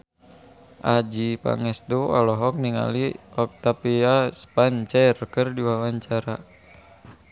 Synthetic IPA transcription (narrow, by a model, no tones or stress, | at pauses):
ʔad͡ʒipa̰ŋɛsd̪uɔlɔɦɔk̚niŋa̰liɔk̚t̪apiaspaɲt͡ʃarkərdiwawaɲt͡ʃaɾa